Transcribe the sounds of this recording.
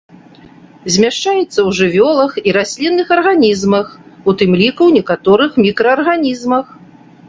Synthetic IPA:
zʲmʲaʂt͡ʂajɛt̪sːɐwʐɨvʲɔlˠɐxiɾasʲlʲinːɨxɐrɣanʲizmɐxut̪ɨmlʲikuwnʲɛkat̪ɔɾɨxmʲikɾɐɐrɣanʲizmɐx

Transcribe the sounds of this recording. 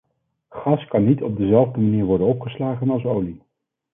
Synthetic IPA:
χɑskɑnːitɔb̚dəzɛlˠvdəmaniːɹʋɔɹdənɔpχəslaːχənɑlˠsowli

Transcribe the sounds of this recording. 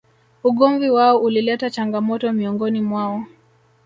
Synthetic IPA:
uɠɔɱviwaɔʔulilɛtat͡ʃaŋɡamɔtɔmiɔŋɡɔnimwaɔ

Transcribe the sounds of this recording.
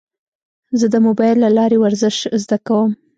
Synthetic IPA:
zəd̪əmobɑjlːalɑɾewaɾzɪʃzd̪akawəm

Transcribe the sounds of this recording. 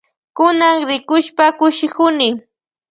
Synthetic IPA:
kʊnaŋɾɪkʊʃpakʊʃɪkʊnɪ

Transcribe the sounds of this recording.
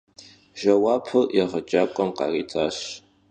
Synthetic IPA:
ʒ̥ɐwaːpʰɨljɛʁɐt͡ʃʼaːkʷʼɔmqɑ̰ːriːtʰaːɕ

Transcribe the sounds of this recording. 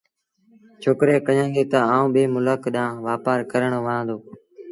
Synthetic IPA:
t͡ʃʰoːkɾeːkəɲãːŋɡeːt̪əãːũːɓeːmʊləkɗãːʋaːpaːɾkəɾəɳʋãːnd̪oː

